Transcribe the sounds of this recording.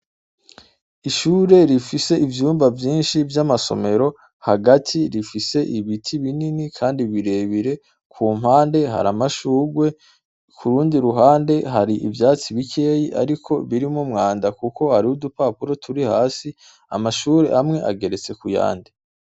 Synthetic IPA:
iʃuːɾe̞ɾifise̞ivjuːmbavjiːnʃivjamaso̞̰me̞ɾo̞ | haɡatʰiɾifise̞ʔiβitʰiβininikʰaːndiβiɾe̞βiɾe̞ | kʰuːm̥haːnde̞ɦa̰ɾamaʃuːɡwe̞ | kʰuɾuːndiɾuɦaːnde̞ɦaɾiʔivjaːt͡siβikʰe̞ːjiʔa̰ɾikʰo̞βiɾimumŋaːndakuko̞haɾiudupaːpuɾo̞tʰuɾihaːsi | a̰maʃuːɾe̞̰ʔamŋe̞ʔa̰ɡe̞ɾe̞t͡se̞kuja̰ːnde

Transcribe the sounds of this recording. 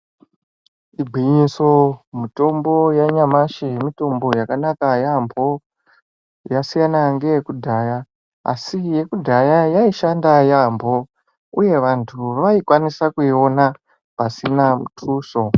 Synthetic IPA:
ibʱiɲiso̞mito̞mbo̞jaɲamaʃejemito̞mbo̞jakanakajambʱo̞ | jasijanaŋɡe̞jekudʱaja | a̰sije̞kudʱajajaiʃandajambʱo̞ | uje̞ʋantʰuʋaikwanisakuio̞na | pasinamutʰuːso̞

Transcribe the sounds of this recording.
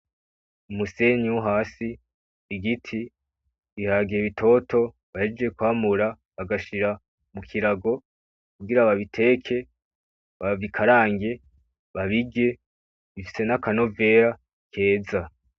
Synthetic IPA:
umuse̞ɲiwuɦaːsiː | ɡitʰi | ihaːɡieβitʰo̞tʰo̞ | βaid͡ʒijekwaːmuɾa | βaɡaʃiɾa | mukʰiɾaɡo̞ | kuɡiɾaβaβitʰe̞ːkʰe̞ | βavikʰaɾaːŋɡe̞ | βaβiɡe̞ | βifi̥se̞nakano̞ve̞ːɾa | kʰe̞ːza

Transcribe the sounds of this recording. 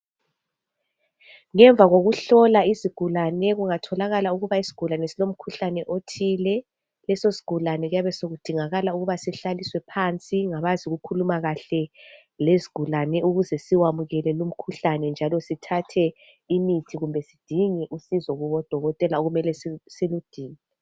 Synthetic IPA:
ŋɛɱb̪vʱaɣoɣuɬɔlaiziɡ̥ʱulanɛɣuŋatʰɔlaɣalauɣuβaisi̥ɡ̥ʱulanɛsilom̩kʰuɬanɛʔotʰilɛ | lɛsosi̥ɡ̥ʱulanɛɣujaβɛsoɣud̥ʱiŋaɣalauɣuβasiɬaliswɛpʰant͡sʼiŋaβaziɣukʰulumaɣaɬɛ | leziɡ̥ʱulanɛʔuɣuzɛsiwamuɣɛlɛlum̩kʰuɬanɛnd͡ʒʱalɔsitʰatʰɛ | imitʰiɣumbʱɛsid̥ʱiŋɛʔusizɔɣuβɔd̥ʱɔɣɔtʼɛlaoɣumɛlɛssilud̥ʱiːŋɛ

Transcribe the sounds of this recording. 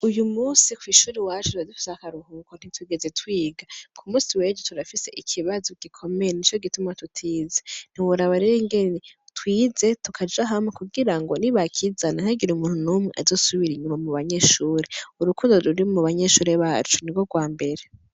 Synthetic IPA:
ujumuːsikwiːʃuːɾiwaːt͡ʃeuadufi̥sakaɾuhukon̥itwuɡe̞ze̞twiːɡakʰumuːsiwe̞ːd͡ʒutuɾafise̞ʔikʰiβazoɡ̥ikʰo̞mejenit͡ʃo̞ɡitumatutʰiːzen̥iwuɾaβaɾeɾiŋɡe̞netwiːze̞tukʰad͡ʒaɦamwekuɡiɾaŋɡo̞niβakʰizananhaɡiɾumuːnhunuːmŋeʔa̰zo̞ːsuβiɾiɲumamuβaɲe̞ʃuːɾeuɾukuːndoɾuɾimuβaɲe̞ʃuːɾe̞βaːt͡ʃu̥niɡo̞ɡwaːmbe̞ɾe

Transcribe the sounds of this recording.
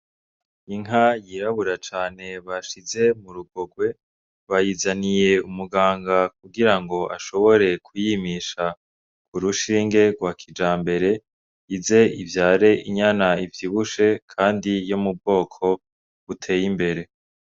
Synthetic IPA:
iŋɦajiɾaβuɾat͡ʃaːne̞βaʃize̞muɾuɡo̞ɡwe̞ | βajizanije̞umuɡaːŋɡakuɡiɾaŋɡo̞ʔa̰ʃo̞βo̞ɾe̞kʰujimiʃa | kuɾuʃiːŋɡe̞ɡwakʰid͡ʒaːmbe̞ɾe̞ | jize̞ivjaːɾe̞ʔiɲanaivjiβuʃe̞kʰaːndijomub̚ɡo̞ːkʰo̞ | ɡutʰe̞ːjimbe̞ɾe̞

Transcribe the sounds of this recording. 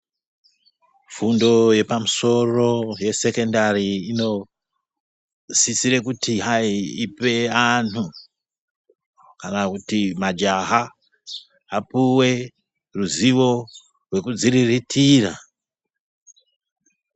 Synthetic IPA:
fundo̞je̞pamuso̞ro̞je̞se̞ko̞ndariino̞ | sisiɾe̞kutiɦaiipe̞anu | kanakutimad͡ʒaɦa | apuwe̞ | ruziwo̞ | rwe̞kud͡ziriritʰira

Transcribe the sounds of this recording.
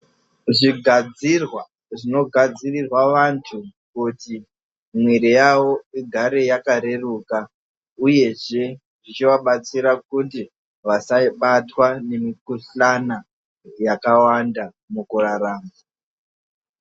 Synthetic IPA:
ʐiɡʱad͡zirwa | ʐino̞ɡʱad͡zirirwaʋantʰukuti | mwiɾijawo̞iɡʱaɾe̞jakaɾe̞ruka | uje̞ʐe̞ | ʐit͡ʃiʋaɓat͡siɾakuti | ʋasaiɓatwane̞mikuɬana | jakawanda | mukuraraːmba

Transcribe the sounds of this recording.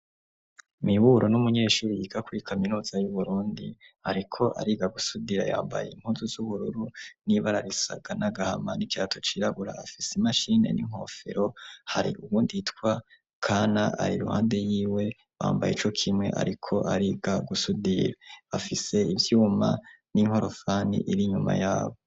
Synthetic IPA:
miβuɾʔo̞numuɲe̞ːʃuːɾijikakuɾikʰaminuːz̥ajuβuɾuːndiaɾikʰo̞ʔa̰ɾiːɡaɡusudiɾa̰ja̰ːmba̰jeim̥huːnzuzuβuɾuɾuniβaɾaɾisa̰ɡ̥anaɡahamanikiɾatʰo̞t͡ʃiɾaɡuɾa̰ːfiseimaʃine̞̰nḭŋ̥ho̞̰fe̞̰ɾo̞haɾḭʔuβuːnditkwa | kʰaːnaa̰ɾiɾuha̰ːnde̞jiːwe̞ | wa̰ːmbajit͡ʃo̞kʰimŋe̞̰ʔa̰ɾikʰo̞ʔaɾiɡ̥aɡusudiɾaafise̞ivjuːma | niŋo̞ɾo̞faːnḭʔiɾiɲuma̰jaːβo

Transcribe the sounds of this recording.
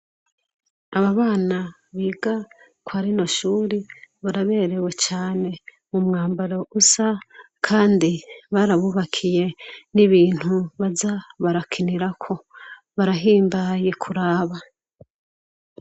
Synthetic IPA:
aβaβaːna | βiːɡa | kwaɾino̞ʃuːɾiβaɾaβe̞ːɾe̞we̞t͡ʃaːne̞ | mumŋaːmbaɾo̞ʔusa | kʰaːndiβaɾaβuβakʰije̞niβiːn̥huβazaβaɾakʰiniɾakʰo̞ | βaɾaɦiːmbaje̞kʰuɾaːβa

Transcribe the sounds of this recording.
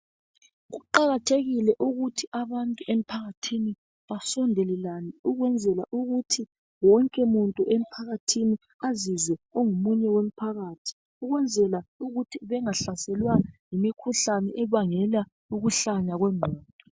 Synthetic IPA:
ɣuǃaɣatʰeɣilɛʔuɣutʰiʔaβantʼuʔem̩pʰaɣatʰini | βasɔndʱɛlɛlaniuɣwɛnd͡zʱɛla̰ʔuɣutʰi | wɔŋkʼɛmuntʼuʔem̩pʰaɣatʰini | azizwɛoŋumuɲɛwem̩pʰaɣaːtʰi̥ | uɣwɛnd͡zʱɛlauɣutʰiβɛŋaɬasɛlwajimikʰuɬanɛʔɛβaŋɛla | uɣuɬaɲaɣwɛmʱɔːtʼɔ

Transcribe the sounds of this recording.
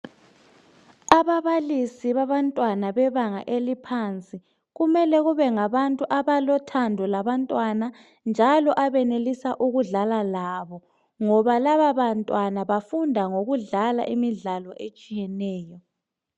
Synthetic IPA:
aβaβalisiβaβantʼwanaβɛβaŋa̰ʔelipʰant͡sʼi | ɣumɛlɛɣuβɛŋaβantʼuʔaβalɔtʰandʱɔlaβantʼwana | nd͡ʒʱalɔʔaβɛnelisaʔuɣuɮalalaβɔ | ŋɔβalaβaβantʼwanaβafundʱaŋoɣuɮala̰ʔimiɮalɔʔet͡ʃʼijɛnɛːjɔ

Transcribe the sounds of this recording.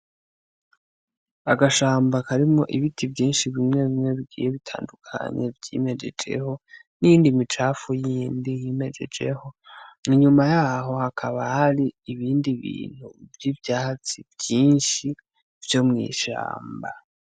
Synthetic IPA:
aɡaʃaːmbakaɾimŋo̞ʔiβitʰibɟiːnʃiβimŋe̞βimŋe̞βiɡḭːjeβitʰa̰ːndukʰa̰ɲe̞vjḭme̞d͡ʒe̞d͡ʒe̞̰ho̞ | nijiːndimit͡ʃaːfujiːndijime̞d͡ʒe̞̰d͡ʒe̞̰ho̞niɲumajaːɦo̞hakʰaβahaɾiːβiːndiβḭːn̥huvjibjaːt͡sivjiːnʃi | vjo̞mŋḭːʃa̰ːmba

